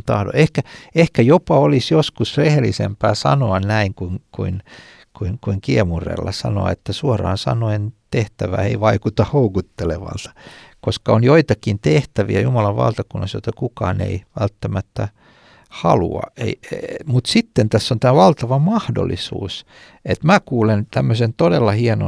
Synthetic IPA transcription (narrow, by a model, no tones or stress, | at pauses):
t̪ɑ̰hdo̰ehkæehkæjopɑolisjoskusrehelːisḛmpæːsɑ̰noɑnnæiŋkuŋkuin | kuiŋkuiŋkiemurḛlːɑ̰sɑ̰no̰ɑ̰et̪ːæsuɑrɑ̰ːnsɑ̰noent̪eht̪æʋæ̰ːeiʋɑikut̪ɑhoukut̪ːeleʋɑ̰lt̪ɑ̥koskɑonjoit̪ɑkint̪eht̪æʋiæjumɑlɑʋʋɑ̰lt̪ɑkunːɑsjo̰t̪ɑkukɑːnḛiʋælt̪ːæmæt̪ːæ | hɑlṵɑ̰ʔḛimut̪sit̪ːent̪æsːont̪æːʋɑlt̪ɑʋɑmɑhdo̰lːisṵːs | et̪mæːkuːlent̪æmːøsent̪odelːɑhieno̰